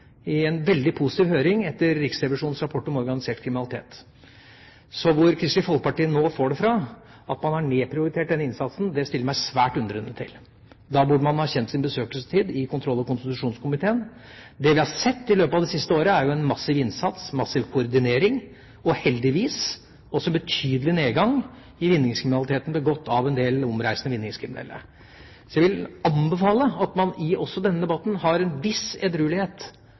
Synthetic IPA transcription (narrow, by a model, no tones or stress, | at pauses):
ɪɛnʋɛld̪ɪpʰʊsɪ̥t̪iːʋhøːɾɪŋɛt̪ːəɾːɪksɾɛʋɪʂuːnn̩sɾɑpʰɔʈːɔmɔɾɡɑnɪseːʈ̚kʰɾɪmɪnlɪt̪ḛːt̪ | sɔʋʊɾkʰɾɪst̪ɪfɔlkpɑʈiːənːoːfoːɖɛfɾɑ | ɑt̪mɑnhɑɳeːpʰɾɪʊɾɪt̪ʰeːʈ̚d̪ɛnːəɪnsɑt̪snd̪ɛst̪ɪlːəɾmæɪsʋæːʈʉnd̪əɾɛnːət̪ʰːɪ̰l | d̪ɑbʉɖəmɑnhɑçɛnt̪sɪnbəsøːkəlsə̥t̪ʰiːd̪ɪkʊnt̪ɾɔlːɑkʊnst̪ɪt̪ʉʂuːnskʰʊmɪt̪ʰeːən | d̪ɛʋɪhɑɾsɛt̪ːɪløːpəɑʋd̪ɛsɪst̪əoːɾəæɾjʊɛnmɑsːɪʋɪnsɑt̪smɑsːɪʋkʰʊɔɾd̪ɪneːɾɪŋ | ɔhɛld̪ɪʋiːs | ɔsɔɛbət̪ʰyːd̪əlɪneːɡɑŋ | ɪʋɪnːɪŋskʰɾɪmɪnɑlɪt̪ʰeːt̪n̩bəɡɔt̪ːɑʋɛnd̪eːlɔmɾæɪsənəʋɪnːɪŋskʰɾɪmɪnɛ̰lːə̰ɾ | sɔjæɪʋɪlɑnbəfɑːləɑt̪mɑnɪɔsːɔd̪ɛnːəd̪ɛbɑt̪ːn̩hɑɾɛnʋɪsɛd̪ɾʉːlɪheːt̪